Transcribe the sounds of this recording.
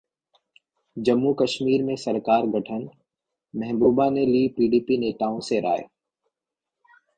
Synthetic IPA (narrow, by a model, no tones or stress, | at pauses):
d͡ʒəmːukəʃmiːɾmẽsəɾkaːɾɡʱɐʈʰən | mɛ̃ɦɪ̃buːbaneliːpiːɖiːpineːt̪aːõseɾa̰ːḛ